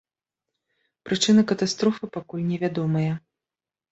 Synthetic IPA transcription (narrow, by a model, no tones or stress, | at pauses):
pɾɨt͡ʂɨnɐkɐt̪ast̪ɾɔfɨpakulʲnʲɛvʲad̪ɔmɐjɐ